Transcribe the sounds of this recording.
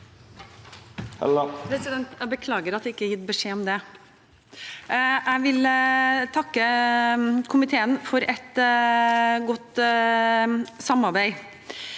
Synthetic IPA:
pʰɾɛsɪd̪ɛnt̪æbəkʰlɑːɡəɾɑt̪̚d̪ɛɪkːəæɾjɪt̪̚bəʂeːɔmd̪ɛ | ʔæɪʋɪlt̪ʰɑkːə | kʰʊmɪt̪ʰeːənfɔɾɛt̪ | ɡɔt̪ | sɑmɑɾbæɪ

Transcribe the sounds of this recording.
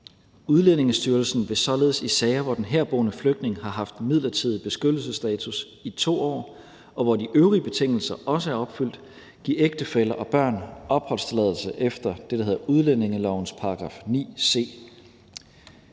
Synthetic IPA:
uðˠlene̝ŋəsd̥yɐlsn̩ʋe̝sɒ̽le̝ðˠəsisɛɪɐʋɒd̥enɦæɐb̥o̝ːnəfløɡ̥̚d̥ne̝ŋɦɑ̈ɦɑ̈fd̥mið̞̰ˠlɐt͡sʰið̞̰ˠb̥e̝sɡ̥ød̥l̩səsd̥ɛːt͡sʰus | it͡sʰo̝̰ːɒ̰ː | ʔɒ̽ʋɒdiʔøʊʁiəb̥e̝t͡sʰeŋ̰l̩sɐʔɒ̽səæɐɒ̽b̥fyl̰d̥ | ɡ̥ieɡ̥̚d̥əfelɐʔɒ̽b̥ɶɐ̰nɒ̽b̥hɒ̽l̰st͡sʰe̝lɛð̞ˠl̩səʔefd̥ɐd̥e̝ɾ̥ɑhe̝ð̞ˠɐʔuðˠlene̝ŋəlɒʊ̰n̩spʰɑ̈ɑ̈ɡ̥ʁɑ̈ːfnḭːse̝̰ː

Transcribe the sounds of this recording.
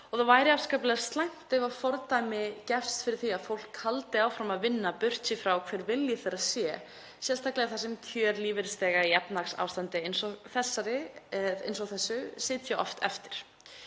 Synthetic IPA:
ɔɣθawvaːjɾɪaskaplɛðst̪lajŋ̥t̪ɛvafɔɾt̪ajmɪcɛfst̪fɪɾɪɾ̥θiaðfowl̥kʰhalt̪ɪaːwfɾamaðvɪnːapʏr̥sɪfɾawkʰv̥ɛːɾvɪljɪθɛɾaðsjɛ | sjɛlst̪ʰaklɛɣaθasɛmt̪ʰjœːɾliːvɪɾst̪ɛːɣaiɛpnaksa̰ːwst̪ant̪ɪɪnsɔɣθɛsːaɾɪɪ̰nsɔɣθɛsːʏsɪːt̪jaɔ̰ft̪ɛ̰ft̪ɪ̥ɾ̥

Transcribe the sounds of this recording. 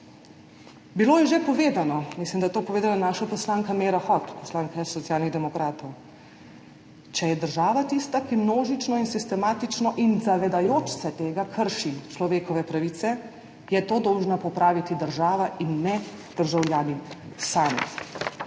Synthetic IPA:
biloːjɛʒepɔʋeːd̪anɔmislimd̪ɐjɛt̪oːpɔʋeːd̪alanaːʃapɔslaŋkameːɾaxɔt̪pɔslaːŋkasːɔt̪sjaːlniɣd̪ɛmɔkɾaːt̪ɔw | t͡ʃɛjɛd̪əɾʒaːʋat̪ist̪akimnoːʒit͡ʃnɔinsist̪ɛmaːt̪it͡ʃnɔʔinzaʋɛd̪ajoːt͡ʃsɛt̪eːɡakʰəɾʃit͡ʃlɔʋeːkɔʋɛpɾaʋit̪sɛ | jɛt̪oːd̪ɔwʒnapɔpɾaːʋit̪id̪əɾʒaːʋaʔinːɛ | d̪̥əɾʒawljaːnisaːmɛ̰

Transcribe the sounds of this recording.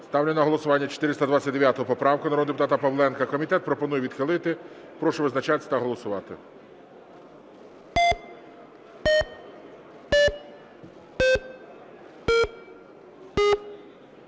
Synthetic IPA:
st̪ɑwnʲɪnɐɦɔlˠɔsʊʋɑnʲːɐt͡ʃɔ̥t̪ɪɾɪst̪ɐd̪ʋat͡sʲɐt̚ʲd̪eʋʲjat̪ɔɦɔpɔpɾɑwkʊnɐɾɔd̪epʊt̪ɑt̪ɐpɐʋlˠɛnkɐkɔmʲit̪ɛt̪̚pɾɔpɔnujɛʋʲid̪xɪlˠɪt̪ɪ | pɾɔʃʊʋɪznɐt͡ʃɑt̪ʲsʲɐt̪ɐɦɔlˠɔsʊʋɑt̪ɪ̰

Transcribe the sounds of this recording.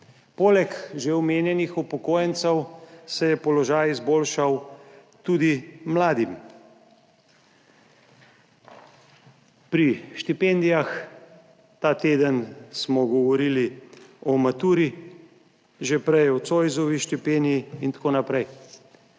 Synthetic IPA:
poːlɛkʒeɔmeːnjɛnixupɔkoːjənt̪sɛwsɛjɛpɔlɔʒaːjizboːlʃaw | t̪uːd̪imlaːd̪im | pɾiʃt̪ipend̪ijax | t̪aːt̪eːd̪ənsmɔɡɔʋɔɾiːliɔmat̪uːɾi | ʒepɾɛjɔsoːjzɔʋiʃt̪ipeniiint̪ḁkoːnapɾɛj

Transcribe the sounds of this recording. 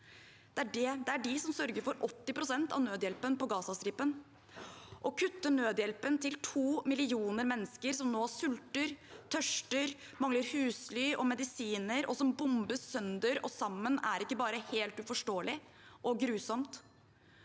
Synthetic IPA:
d̪̥ɛæɖɛd̪ɛæɖɪsɔmsœɾɡəɾfɔɾɔt̪ːɪpʰɾʊsɛnt̪ɑ̰ʋnøːd̪jɛlpənpɔɡɑːsɑst̪ɾɪpːən | ʔɔkʰʉt̪ːəɳøːd̪jɛlpənt̪ʰɪlt̪ʰuːmɪlɪuːnəɾmɛnːəskəɾsɔmnoːsʉlt̪əɾt̪ʰœʂʈəɾ | mɑŋləɾhʉːslyːʔɔmɛd̪ɪsiːnəɾɔ̰sɔmbʊmbəsœnd̪əɾɔsɑmːənæɾɪkːəbɑːɾəheːlt̪ʉfɔʂʈoːəlɪ | ʔɔɡɾʉːsɔmt̪

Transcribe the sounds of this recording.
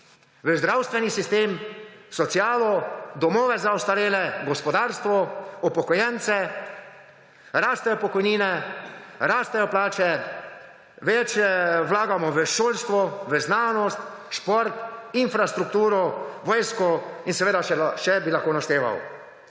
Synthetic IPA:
ʋəzd̪ɾawst̪ʋɛnisist̪eːmsɔt̪sjaːlɔd̪ɔmɔːʋɛzaɔst̪aɾeːlɛɡɔspɔd̪aːɾst̪ʋɔɔpɔkɔjɛnt̪sɛ | ɾaːst̪ɛjɔpɔkɔjniːnɛ | ɾaːst̪ɛjɔplaːt͡ʃɛ | ʋɛt͡ʃjɛwlaːɡamɔʋəʃoːlst̪ʋɔʋəznaːnɔst̪ | ʃpɔɾt̪infɾast̪ɾuk̚t̪uːɾɔʋɔːjskɔinsɛʋeːd̪aʃɛbilaxkoːnast̪eːʋa̰w

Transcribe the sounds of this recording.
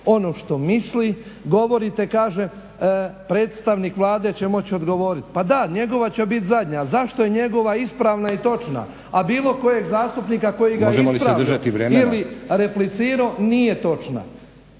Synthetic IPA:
o̞noːʃt̪o̞misliɡo̞ʋo̞ɾit̪e̞kaːʒe | pɾeːt̪st̪aʋnikʋlˠaːd̪e̞t͡ɕe̞mo̞t͡ɕio̞d̪ɡo̞ʋo̞ɾit̪pad̪aɲe̞ɡo̞ʋat͡ɕebit̪zad̪ɲazaʃt̪oje̞ɲe̞ɡo̞ʋaispɾaːʋnait̪o̞t͡ʃna̰ | abiːlˠo̞ko̞je̞ɡzaːst̪upniːkako̞jimɡaoʒemolispaad̪rʒat̪iʋɾeːmiliɾeplit̪siːɾoːnijet̪o̞t͡ʃna̰

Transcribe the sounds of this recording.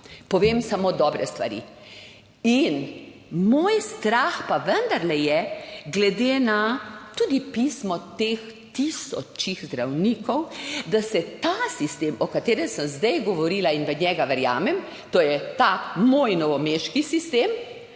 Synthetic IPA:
pɔʋeːmsamod̪ɔbɾɛst̪ʋa̰ɾḭ | inmoːjst̪ɾaxpaʋənd̪aɾlɛjɛɡlɛd̪eːnat̪uːd̪ipiːsmɔt̪eːx | t̪isɔ̰t͡ʃiɣzd̪ɾawniːkɔwd̪asɛt̪asist̪eːmɔkat̪eːɾɛnsəmzd̪ɛjɡɔʋɔɾiːlainʋɛɲjɛɡaʋɛɾja̰ːmɛm | t̪ojɛt̪amoːjnɔʋɔmeʃkisist̪eːm

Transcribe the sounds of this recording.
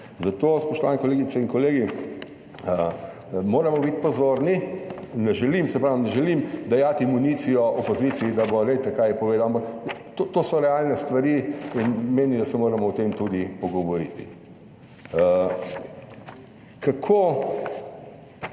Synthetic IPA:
zat̪oːspɔʃt̪ɔʋaːnikɔleːɡit̪sɛinkɔleːɡi | ə | moːɾɐmɔbit̪pɔzoɾninɛʒɛlimsɛpɾaːwnɛʒɛlimd̪ɐjat̪imuniːsijɔʔɔpɔziːt̪siːd̪abɔɾet̪ɛkajɛpɔʋeːd̪awampɐak | t̪ot̪oːsɔɾɛalnɛst̪ʋɐɾiinmeːnid̪ɐsɛmoːɾɐmɔɔt̪emt̪ud̪ipɔɡɔʋɔɾḭt̪i | kakʰoː

